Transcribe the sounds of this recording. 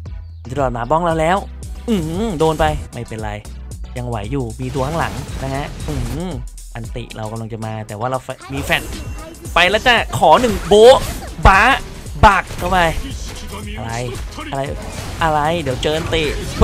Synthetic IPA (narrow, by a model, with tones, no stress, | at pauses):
t͡ɕa˧˩ɾɔː˨˩t̪̚maː˨˦bɔ˥˩ŋɾa˧wlɛː˦˥w | ʔɯː˧˩˥doː˧npa˧jma˥˩jpe˧nʔɾa˧j | ja˧ŋwa̰˩˦jːuː˨˩miː˧t̪̬u˧kʰa˦˥˩la̰˩˦ŋna˦˥kʰa˦˥ʔʔɯː˧˩ | ʔa˧nt̪ḭ˨˩ɾa˧wka˧˨mla˧ŋt͡ɕa˨˩maː˧t̪ɛː˨˩waː˥˩ɾa˧wfmiː˧fɛ˨˩t̪̚ | pa˧jlɛː˦˥wt͡ɕa˧˥˩kʰɔː˩˦nɯ˨˩ŋboː˦˥baː˦˥ | baː˨˩k̚kːa˧˩wpa˧j | ʔa˧ɾa˧ja˧ɾa˧jʔa˧ɾa˧jdi˩˦wt͡ɕɤː˧nt̪i˨˩